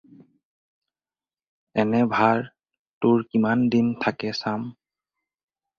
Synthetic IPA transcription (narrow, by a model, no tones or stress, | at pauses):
ɛnɛbʱaɹ | tʊɹkimandintʰakɛsam